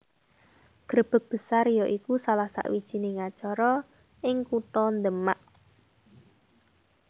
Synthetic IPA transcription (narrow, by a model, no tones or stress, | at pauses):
ɡ̥ɾəb̥ək̚b̥ə̤sarjɔʔikusalahsa̰ʔwid̥ʒ̥i̤neŋat͡ʃɔɾɔ | ʔɪŋkuʈɔnd̪əmaʔ